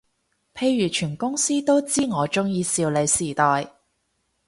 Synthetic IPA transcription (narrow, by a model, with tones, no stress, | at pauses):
pʰe˧jjyː˨˩t͡ʃʰyː˨˩nkʊ˥ŋsiː˥t̪o˥wt͡siː˥ŋɔː˨˧t͡ʃʊ˥ŋjiː˧siː˧wle˨˧jsiː˨˩t̪ɔː˨j